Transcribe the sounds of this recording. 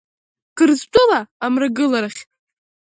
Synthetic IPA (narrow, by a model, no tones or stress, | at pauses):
ɡ̥ɨrztʷʼʊlaːmraɡɨlaɾaχʲ